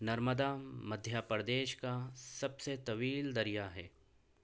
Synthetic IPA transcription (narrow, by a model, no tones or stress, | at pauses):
nɐɾməd̪amɐd̪ʱjapɾd̪eːʃkasɐbset̪ɐʋiːld̪ɐɾijaɦɛː